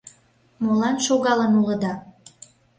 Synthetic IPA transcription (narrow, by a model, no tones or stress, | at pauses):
molɑnʃoɣɑlənuləd̪ɑ